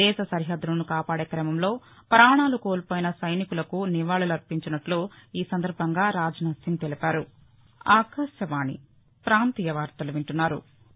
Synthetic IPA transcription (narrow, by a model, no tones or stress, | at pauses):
ɛːʃɐsɐɾiɦɐd̪ːɾunukaːpaːɽeːkɾɐmɐmlo̞ː | pɾaːɳaːlukoːlpoːjinɐsɐjnikulɐkuniʋaːɭulɐɾpiɲt͡ʃɐnɐʈluiːsɐnd̪ɐɾbʱɐŋɡaːɾaːd͡ʒɐnaːt̪siŋɡt̪elipaːɾu | aːkɐʃjɐʋaːnḭ | pɾaːnt̪iːjɐʋaːɾt̪ɐluʋiɳʈunːaːɾṵ